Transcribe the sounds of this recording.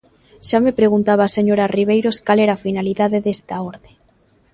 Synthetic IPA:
ʃamepɾeɣ̞unt̪aβ̞aseɲoɾariβ̞ejɾoskalɛɾafinaliðaðeðest̪aoɾðe

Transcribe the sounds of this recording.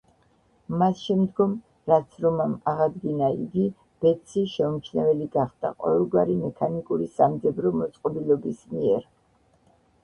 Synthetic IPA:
masʃɛmd̪ɡɔm | ɾat̪sʰɾɔmamaʁad̪ɡinaḭɡi | b̥ɛt̪sʰiʃɛɔmt͡ʃʰnɛvɛliɡaχd̪̥a̰qʼɔ̰vɛlˠɡwaɾimɛkʰanikʼuɾisamd̪zɛbɾɔmɔt̪sʼqʼɔbilˠɔbismiɛɾ

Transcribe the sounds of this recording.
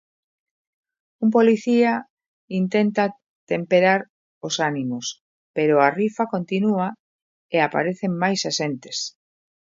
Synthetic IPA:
ump̬oliθia | int̪ent̪a | t̪empeɾaɾ | osanimos | peɾoarifakont̪inua | eapa̰ɾeθeŋmajsasent̪e̥s

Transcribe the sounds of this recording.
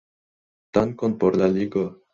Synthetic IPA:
t̪aŋkonpoɾlaliɡo

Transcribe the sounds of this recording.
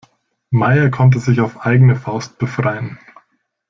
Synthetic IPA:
maɪɐkʰɔnt̬əzɪçaʊfʔaɪɡənəfaʊst̚b̥əfʁ̥aɪən

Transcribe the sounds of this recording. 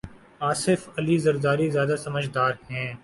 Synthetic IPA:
aːsɪfɐlizɐɾd̪aːɾizjaːd̪asɐməd͡ʒd̪aːɾhɛ̃ː

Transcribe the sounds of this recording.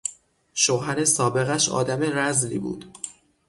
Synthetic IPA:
ʃoɦæɾe̞sɒːbe̞ɣæʃɒ̰ːd̪æme̞ɾæzlḭːbṵːd̪̥

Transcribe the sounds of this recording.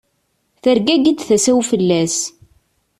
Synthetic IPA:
θəɾɡæɡid̪θæsæwfəlːæs

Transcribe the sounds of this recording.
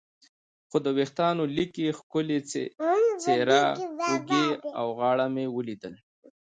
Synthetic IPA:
xod̪əwext̪ɑnolikexkʊlḛ | t͡seɾauɡea̰wɣɑɽamewəlid̪əl

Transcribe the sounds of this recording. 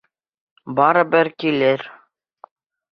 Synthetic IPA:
bɑɾɤ̆bɘɾkilɘɾ

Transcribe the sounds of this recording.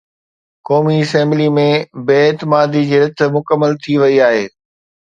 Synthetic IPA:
kɔːmiɐsɛ̃mblimẽbeːɪːt̪ɪmaːd̪id͡ʑeːɾɐt̪̆ʰmʊkəmːəlt̪ʰiʋɐiaːɦeː

